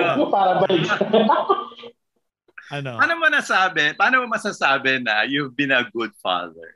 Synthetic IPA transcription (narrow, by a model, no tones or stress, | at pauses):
opaːɾɐbɐlit | aːnomɐnɐsaːbɪpaːnomɐmɐsasaːbɪnɐjuhɐvbɪ̃nɐɡʊd̪̚fa̰ðə̰ɹ